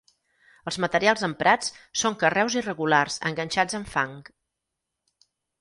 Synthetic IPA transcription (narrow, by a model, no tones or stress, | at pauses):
əlˠzmət̪əɾialˠzəmpɾat͡ssoŋkərɛwzirəɣularzə̰ŋɡənʲʃad͡zəɱfaŋk